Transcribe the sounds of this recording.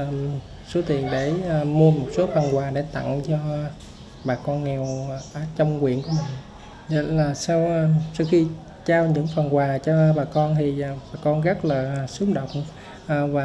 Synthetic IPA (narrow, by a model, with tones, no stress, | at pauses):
m | so˨˦t̪i˨˩ənɗe˧˩˨mu˧əmo˨˩t̚so˨˦fə˨˩nkwaː˨˩ɗe˧˩˦t̪a̰˧˨ŋt͡ɕɔ˧ | ɓaː˨˩kɔ˧nŋɛ˨˩wʔaː˧˩t͡ɕə˧wŋ͡mkwḭ˧˨ənku˧˦əmï˨˩ŋ̟ | zə̰˧˩laː˨˩saː˧wʔsa˧wxi˧ | t͡ɕaː˧wɲɨ̰˧˥ŋfə˨˩nkwaː˨˩t͡ɕɔ˧ɓaː˨˩kɔ˧nt̪ʰi˨˩˨ɓaː˨˩kɔ˧nɣə˦˥k̚ləː˨˩˨sɨ˨˦əmɗə˨˩wŋ͡m | ʔːvaː˨˩